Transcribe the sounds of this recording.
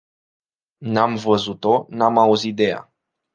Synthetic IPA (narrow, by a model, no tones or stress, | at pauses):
namvəzut̪onamauzit̪̚d̪e̞ja̰